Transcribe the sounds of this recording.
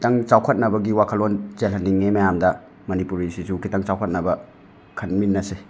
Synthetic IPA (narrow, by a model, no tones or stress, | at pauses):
tɐŋt͡ʃawkʰɐt̚nɐbɐɡiwakʰɐlonzelhɐnːiŋːemɐjamdɐ | mɐnipuɾisisukʰitaŋt͡ʃawkʰɐt̚nɐbɐ | kʰɐnminːɐse